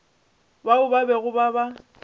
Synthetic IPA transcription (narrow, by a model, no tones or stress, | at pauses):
baʊbabɛɣʊbaba